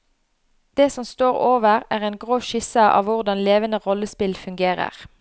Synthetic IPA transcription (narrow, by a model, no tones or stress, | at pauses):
d̪̥eːsɔmst̪oːʁoːʋəʁæːʁɛːnɡʁoːʃɪsəʔɑ̰ːʋʋʊʁd̪ɑnleːʋənəʁɔləspɪlfʉŋɡeːʁə̰ʁ